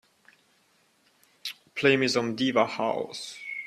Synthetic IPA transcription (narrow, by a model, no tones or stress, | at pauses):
pʰl̥eɪ̃mɪzə̃mdivəha̰ʊs